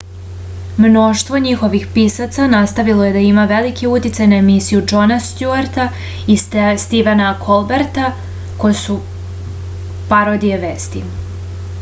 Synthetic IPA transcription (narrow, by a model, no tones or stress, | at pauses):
mno̞ʃt̪ʋo̞ɲixo̞ʋixpisat̪sanast̪aʋilˠoje̞d̪aimaʋe̞likiut̪it̪sajnaemisijud͡ʒo̞nast̪juaɾt̪a | ist̪iʋanakʰolˠbeɾt̪a | kojesu | paɾod̪ijeʋeːst̪i